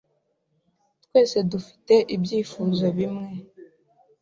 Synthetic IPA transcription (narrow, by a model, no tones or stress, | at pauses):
twe̞ːse̞dufi̥te̞ʔibjiːfuːzo̞βimŋe̞